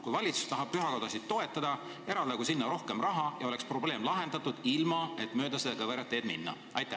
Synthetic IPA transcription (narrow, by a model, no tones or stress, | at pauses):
kujvɑlʲit̪su̥st̪ɑɦɑb̥̚pyɦɑko̞d̪̥ɑsid̥̪t̪ːo̞e̞t̪ːˑɑd̪̥ɑ | e̞ɾɑld̪̥ɑɡusinːɑɾo̞hke̞mrɑɦɑjɑo̞le̞kspro̞ble̞ːmlɑɦe̞nd̪̥ɑt̪ːˑud̪̥ilmɑe̞t̪ˑmø̞ːd̪ɑsed̪ekɑveɾjɑt̪ːe̞ːd̪̚mḭnːɑ̰ | ɑ̰jt̪ːˑæ